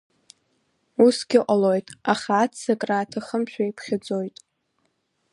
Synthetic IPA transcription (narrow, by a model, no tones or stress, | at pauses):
usɡ̥ʲɪqʷʼalo̞jtʼaχaːtsakʼraːtʰaχəmʃᶣʰaipʰχʲad͡zo̞jtʼ